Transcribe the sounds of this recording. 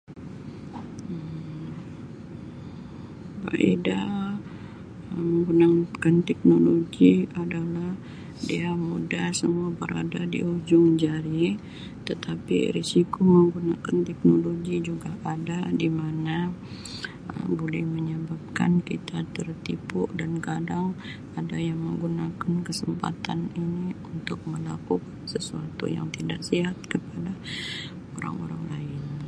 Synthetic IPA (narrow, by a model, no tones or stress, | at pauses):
əm | ba̰ʔeda | məŋɡunakant̪ɛk̚noloɡiadalah | diamudahsə̰muabəɾa̰dadḭud͡ʒʊŋd͡ʒaɾi | t̪ət̪ʰapḭɾisikoməŋɡunakant̪ɛk̚noloɡid͡ʒuɡaʔadadimana | ə̰bolɛhməɲəbap̚ka̰nkit̪at̪ərt̪ipʊʔdankadaŋ | adajaŋməŋɡunakankəsəmpa̰t̪aniniunt̪ʊk̚məlakukansəsuat̪ṵja̰ŋt̪idaʔsiɦat̪̚kəpada | oɾa̰ŋo̰ɾaŋlaɪn